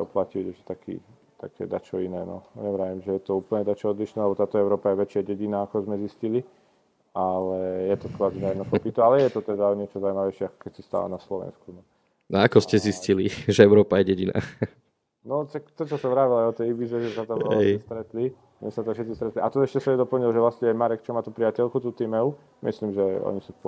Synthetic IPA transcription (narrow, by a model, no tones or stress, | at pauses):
ɔplaciɛʒɛ̥t̪akḭː | t̪a̰kʰɛ̰d̪at͡ʃɔinɛːnɔ̰ɲɛʋɾaːʋimʒɛjɛt̪ɔuːpl̩ɲɛd̪at͡ʃɔɔd̪liʃnɛːlɛbɔt̪aːt̪ɔɛʊɾɔːpajɛʋɛt͡ʃɪaɟɛɟinaːakɔzmɛziscili | alɛjɛt̪ɔkɔazinajɛnɔkɔpit̪ualɛjɛt̪ɔt̪ɛd̪aɲɪɛt͡ʃɔzaumaʋɛɪʃɪɛakɔ̥kɛcsist̪a̰la̰naslɔʋɛ̰nskunɔ | naakɔscɛzisciliʒɛɛʊɾɔːpajɛɟɛɟina̰ː | nɔʃak̚t̪ɔt͡ʃɔsaʋɾaːʋilajɔt̪ɛjʋiːzɛʒɛsat̪ɔʋɛɛɛst̪ɾɛt̪li | ɲɛsat̪ɔfʃɛt̪t͡sist̪ɾɛt̪liʔat̪ɔɛʃcɛsamɛd̪ɔpl̩ɲilʒɛʋlasɲɛjɛmaɾɛk̚t͡ʃɔmaːt̪uːpɾijacɛʎkut̪uːt̪imɛu | mḭsliːmʒɛɔ̰ɲisu